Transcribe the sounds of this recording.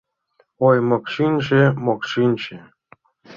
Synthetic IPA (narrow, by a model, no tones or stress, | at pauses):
ojmɤkʃinʲʒemokʃinʲt͡ɕe